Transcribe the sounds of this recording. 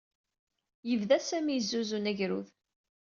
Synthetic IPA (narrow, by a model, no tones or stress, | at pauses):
jəvðæsæmizːuzunæʝɾṵð